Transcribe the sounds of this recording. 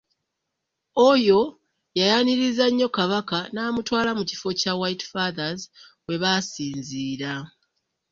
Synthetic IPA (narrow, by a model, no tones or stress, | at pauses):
ojo̞ | jajaniɾizaɲːo̞kaβakanaːmutwaːlamuci̥fo̞cawajtfaðaz | we̞βasiːnziːɾa